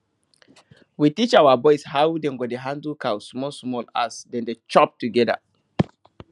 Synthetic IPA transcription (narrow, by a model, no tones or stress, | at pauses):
witit͡ʃawabɔɪshawdẽŋɡodeɦãndəlkawsmɔlsmɔla̰sdɛ̃ndet͡ʃɔp̚tuɡɛda̰